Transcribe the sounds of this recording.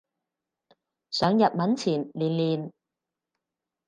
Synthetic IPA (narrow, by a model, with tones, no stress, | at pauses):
sœː˨˧ŋjɐ˨t̚mɐ˨˥nt͡sʰiː˨˩nliː˨nliː˨˩n